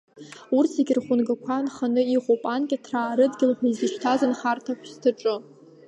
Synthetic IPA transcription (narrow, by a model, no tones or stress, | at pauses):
urtʰeɡʲɪrχʷʊnɡakʷʰanχanɨiχʷopʼankʲʼatʰraːɾɨdɡʲɪlħʷaizɨʃʰtʰazɨnχartʰaʃʷʰᶣstʰɨʈ͡ʂʼɨ